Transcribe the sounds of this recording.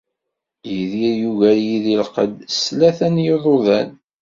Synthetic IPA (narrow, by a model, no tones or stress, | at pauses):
jiðiɾjuʝæljiðilqə̰d̪slæθænjəðˤoðæn